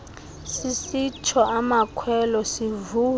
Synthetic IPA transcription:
sisit͡ʃʰɔamakʰwɛlɔsivuː

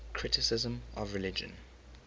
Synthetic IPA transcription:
kʰɹ̥ɪtɪsɪzə̃mɔvɹɪlɪd͡ʒə̰̃n

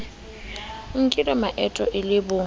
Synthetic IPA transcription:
ŋ̩kʼɪlɛmaʔɛtʼɔʔɪlɪbʊ

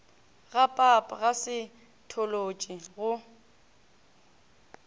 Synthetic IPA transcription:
ɣapʼapʼɣasɪ | tʰɔlot͡ʃʼiɣʊ

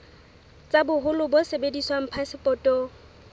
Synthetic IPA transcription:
t͡sʼabʊɦʊlʊbʊsebediswam̩pʰasɪpʼɔːtʼɔ

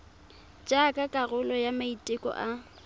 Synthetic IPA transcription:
t͡ʃʼakʼakʼarʊlɔjamaitʼɪkʼɔ̰ʔa

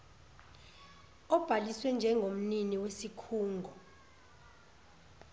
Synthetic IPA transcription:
ɔb̥ʱaliswɛnd͡ʒʱɛŋɡʱom̩niniwesikʰuːŋɡʱɔ

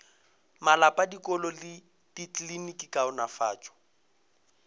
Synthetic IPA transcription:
malapʼadikʼɔlɔlɪ | tit͡ɬlinikʼikaʊnafaːt͡ʃʼɔ̥

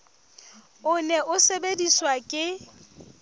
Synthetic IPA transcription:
ʊnɛʔʊsebediswakʼɪ

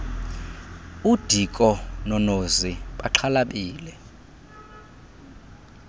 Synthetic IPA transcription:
ud̥ʱikʼɔnɔnoziɓaǃʰalaɓiːlɛ

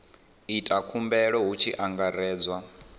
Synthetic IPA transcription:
itʼakʰumbɛɺɔɦut͡ʃʰiʔaŋɡaɾɛːd͡zwa

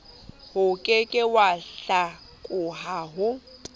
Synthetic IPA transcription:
hʊkʼɪkʼɪwaɬa | kʼʊɦaːɦʊ

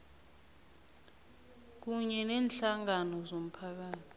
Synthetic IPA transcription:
k̬uɲɛnɛːnɬaŋanɔzom̩pʰak̬aːtʰi̥

